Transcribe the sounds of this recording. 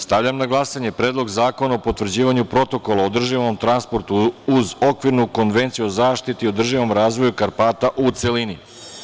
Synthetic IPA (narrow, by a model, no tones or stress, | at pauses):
st̪aʋvʎamnaɡlˠasaɲe̞pɾeːd̪lˠo̞ɡzaːko̞naopo̞t̪ʋr̩d͡ʑiːʋaɲupɾo̞t̪o̞kolˠaod̪r̩ʒiʋo̞mt̪ɾanspo̞ɾt̪uuzo̞kʋiɾnuko̞nʋe̞nt̪siuozaːʃt̪it̪io̞d̪r̩ʒiʋo̞mɾaːzʋo̞jukaɾpaːt̪aʔut̪se̞lini